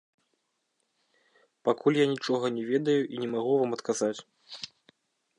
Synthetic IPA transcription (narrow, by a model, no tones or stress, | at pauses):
pakulʲjanʲit͡ʂɔɣɐnʲɛvʲɛd̪ɐjuʔinʲɛmaɣuvamɐt̪kazat͡sʲ